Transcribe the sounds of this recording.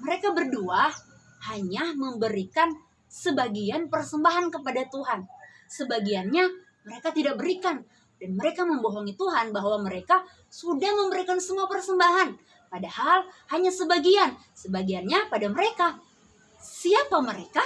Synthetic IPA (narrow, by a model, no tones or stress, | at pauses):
məɾekabərdua | haɲaməmbəɾikan | səbaɡianpərsəmbaɦankəpadat̪uɦan | səbaɡianɲa | məɾekat̪idak̚bəɾikan | danməɾekaməmboɦɔŋit̪uɦanbaɦwaməɾeka | sudahməmbəɾikansəmuapərsəmbaɦan | padahalhaɲasəbaɡian | səbaɡianɲapadaməɾeka | siapaməɾeka